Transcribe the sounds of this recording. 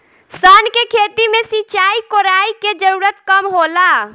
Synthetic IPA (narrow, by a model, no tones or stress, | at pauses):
sənkekʰet̪imesit͡ʃaikoɾaiked͡ʒəɾuɾət̪kəmɦola